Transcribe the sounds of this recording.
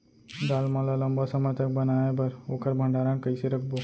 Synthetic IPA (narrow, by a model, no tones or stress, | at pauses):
d̪aːlmãlalɐ̃mbasɐmət̪ək̚bɐnaːebɐɾoːkəɾbʱə̃ɳɖaːɾãkɐiseɾɐkʰboː